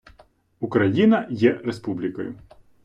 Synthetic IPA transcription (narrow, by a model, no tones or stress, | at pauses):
ukɾɐjinɐjɛɾespublʲɪkɔjʊ